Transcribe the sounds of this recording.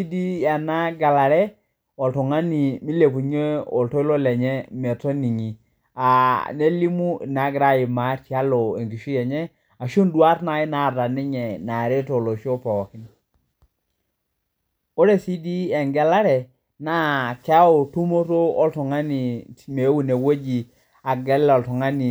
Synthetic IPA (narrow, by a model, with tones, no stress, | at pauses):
i˦di˦a˨na˦ɡa˨la˨ɾɛ˦ | ɔ˨ltɔ˨ŋa˦ni˨mi˦le˨pu˨ɲe˦ɔ˨ltɔ˦ɪ˦lo˦lɛ˨ɲɛ˦mɛ˨to˦ni˨ŋi˨ | a˨ne˦li˦mu˦˨na˨˦ɡɾa˦i˨ma˨˦tja˦lɔ˨e˨ŋɡi˨ʃu˦jɛ˨ɲɛ˦ | a˨ʃo˦ndwa˦tna˨i˦na˨ta˨nɪ˦ɲɛ˨na˨ɾe˦to˨lo˨ʃo˦pɔ˨kɪ˦n | o˦ɾe˨si˦di˦ɛ˨ŋɡɛ˦la˦ɾɛ˨ | na˦kɛ˦a˦o˨tu˦mo˦to˦o˦ltu˨ŋa˦ni˨me˨˦wu˦˨ne˨wo˦d͡ʒi˨ | a˨ɡɛ˨˦lɔ˨ltɔ˨ŋa˦ni˨